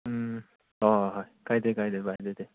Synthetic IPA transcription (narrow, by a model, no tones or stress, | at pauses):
ɯ̃ | ahaikait̪ekait̪ebaid̪et̪e